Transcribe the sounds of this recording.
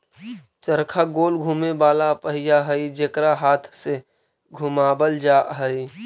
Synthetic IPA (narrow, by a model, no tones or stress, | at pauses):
t͡ʃəɾkʰaɡoːlɡʱuːmebaːlapəɦɪjaɦəid͡ʒekɾaɦaːt̪ʰse | ɡʱʊmaːbəld͡ʒaːɦəi